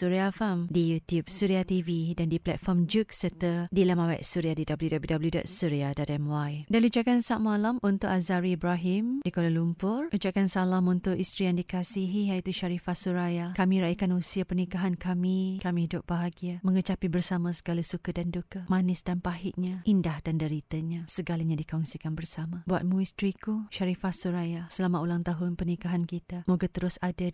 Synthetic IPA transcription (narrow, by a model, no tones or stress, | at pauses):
suɾiafamdijut̪jub̚suɾiat̪ividandiplɛ̰t̪̚fɔrmd͡ʒuk̚sərt̪ədilamawɛ̰ʔsuɾiadidabəljudabəjudabəljudɔ̰ʔ̚suɾiadadɛmwajdaliud͡ʒakansaʔmalamunt̪ʊʔazaɾiːbɾaɦimdikolalumpʊrʔud͡ʒaʔkansalamunt̪ʊʔist̪ɾijaŋdikasiɦijait̪uʃaɾifatsuɾajakamĩɾaikanusiapərnikaɦankamikamĩɦidʊp̚baɦaɡiamə̃ŋət͡ʃapibərsamãsə̥ɡalasukadandukamãnɪsdanpaɦɪʔ̚ɲãʔindahdandəɾit̪aɲãsəɡalaɲãdikaunsikanbərsamãbua̰t̪̚mũist̪ɾikuʃaɾifasuɾajasəlamaulaŋt̪aɦʊnpərnikaɦankit̪amoɡat̪əɾʊsada